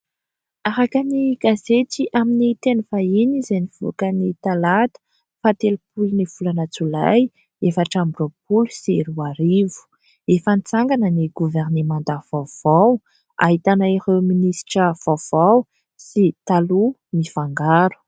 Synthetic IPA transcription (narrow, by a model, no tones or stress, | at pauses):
aɾakaniɡazet͡siʔaminit̪enfainizeniv̥o̰kənit̪alat̪ə̥ | fat̪elupuluniv̥ulanat͡sulaj | efaʈ͡ʂambropulusiɾuaɾivu̥ | efanit͡saŋɡanəniɡuvɛrnemãnt̪əv̥av̥aw | a̰ɦit̪anaiɾeminisi̥ʈ͡ʂəv̥awv̥aw | sit̪alumifaŋɡaɾu̥